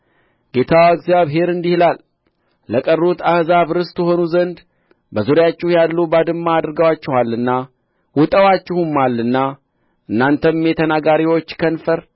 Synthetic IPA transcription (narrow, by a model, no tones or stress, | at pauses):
ɡ̥e̞t̪ʰawəɡzjaβɦe̞ɾɨnd̪ihlalː | əkʼərːut̪ʰahzaβɨɾɨst̪jɛɦo̞nuzənd̪ | bəzuɾjat͡ʃːɛhjalːubad̪ɨmːaːd̪ɨɾɡəwat͡ʃːɛhalːɨnːa | wʊt̪ʼəwat͡ʃːɪhumːalːɨnːa | ʔɨnːant̪ʰəmmjɛt̪ʰənaɡaɾiwo̞t͡ʃːkʰənfəɾ